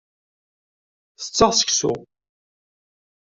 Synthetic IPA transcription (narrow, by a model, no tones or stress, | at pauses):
θə̥t͡sːəʁsə̥ksʊ̰